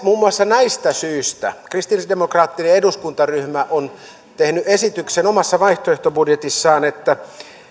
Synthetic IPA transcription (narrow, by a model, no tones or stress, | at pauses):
muːmːuɑsːɑnæist̪æsyːst̪æ̰krist̪ilisdemokrɑːt̪ːineeduskunt̪ɑryhmæʔon | t̪ehnyʔesit̪yksenomɑsːɑʋɑiht̪oeht̪obudjet̪isːɑːnet̪ːæ